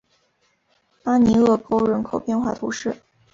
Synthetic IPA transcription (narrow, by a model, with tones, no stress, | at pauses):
pa˥ni˧˥ɤ˥˩ko˥ʊɻə˧˥nkʰo˨˩ʊpjɛ˥˧nxwa̰˥˩t̪ʰṵ˧˥ʂɻ̩˥˩